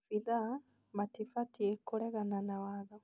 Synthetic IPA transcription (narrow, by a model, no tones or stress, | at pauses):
fiða | matifatiekːolɛɣananawaðo